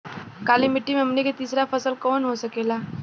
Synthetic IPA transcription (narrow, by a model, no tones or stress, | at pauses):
kalimiʈimemniket̪isɾafʰəsəlkonɦosəkela